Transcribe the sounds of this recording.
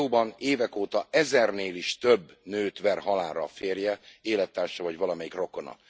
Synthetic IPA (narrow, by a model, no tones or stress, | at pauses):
oːbɒneːvɛkoːt̪ɒɛzɛrneːliʃt̪øbːnøːt̪vɛrɦɒlaːɾɒfeːrjɛeːlɛt̪ːaːrʃɒvɒɟvɒlɒmɛjikro̞ko̞nɒ̰